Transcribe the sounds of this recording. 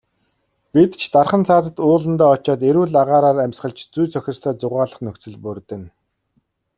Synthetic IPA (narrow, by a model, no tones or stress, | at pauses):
pit̪t͡ɕʰt̪arχə̆nt͡sʰaːt͡sə̆t̪ʊːɮə̆nt̪ɔːɔt͡ɕaːt̪̬eɾuːɮaʁaːɾaːɾæmʲsχə̆ɮt͡ɕt͡sujt͡sʰœxʲɪ̆st̪ʰœːt͡sʊʁaːɮə̆χnɵkt͡sɵ̆ɮpɵrt̪ɘ̆n